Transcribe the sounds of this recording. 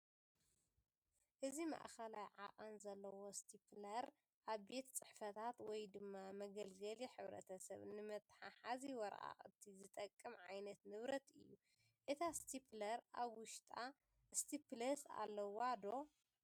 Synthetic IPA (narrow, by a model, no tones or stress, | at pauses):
ʔɨzima̰ʔxɐlajʕa̰χʼanzɐlːɐwo̞st̪ʰiplɐɾ | ʔaβbe̞t̪t͡sʼɨħfɐt̪ʰat̪wɔjd̪ɨmːamɐɡɐlɡɐliħɨβɾɐ̰t̪ʰɐsɐβnɨmɐt̪ʼːħaħaziwɔɾʔa̰ʔʼɨt̪ʰizɨt̪ʼɐkʼːɨmʕajnɐt̪nɨβɾɐt̪ʰɨ̰jːu | ʔɨt̪ʰast̪ʰiplɐɾaβwʊʃt̪ʼa | st̪ʰiplɐsa̰lːɐwad̪o̞